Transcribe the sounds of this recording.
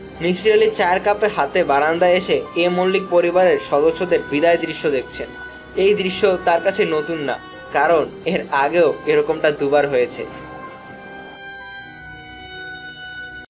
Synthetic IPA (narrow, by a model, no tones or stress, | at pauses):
nid͡ʑɾelit͡ɕaɾkapeɦat̪ebaɾand̪aeʃeemollik̚poɾibaɾeɾʃɔd̪oʃːod̪eɾbid̪aed̪ɾiʃːod̪ek̚ʰt͡ɕʰen | ejd̪ɾiʃːot̪aɾkat͡ɕʰenot̪unːa̰ | kaɾoneɾaɡeoeɾɔkomʈad̪ubaɾɦojet͡ɕʰḛ